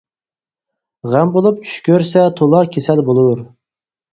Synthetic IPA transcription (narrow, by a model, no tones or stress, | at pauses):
ʁæmbolˠup̚t͡ʃʰy̥ʃkʲøɾsɛt̪ʰolˠɑkʲʰesɛlbolˠuɾ